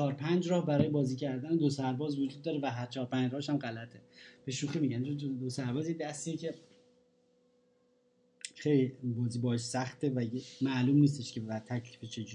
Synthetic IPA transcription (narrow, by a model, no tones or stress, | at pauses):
t͡ʃʰɒːɾpʰænd͡ʒɾɒːhbæɾɒːjebɒːziːcʰæɾd̪æned̪o̞sæɾbɒːzvod͡ʒud̪̚ːɒːɾevæɦæɾt͡ʃʰɒːɾpænd͡ʒɾɒːheʃæmɢælæt̪ʰe̞b̥e̞ʃuːximiɟænt͡ʃʰond̪osæɾbɒːzjed̪æst̪iecʰe̞ | χejlibɒːziːbɒːheʃsæχt̪ʰe̞væjemæluːmnis̬t̪e̞ʃcʰevæt̪ʰæcʰliːfet͡ʃʰe̞d͡ʒui